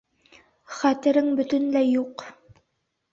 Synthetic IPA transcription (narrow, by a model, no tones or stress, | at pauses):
χæt̪ɘ̆ɾɘŋbɵ̆t̪ɵnlæjuq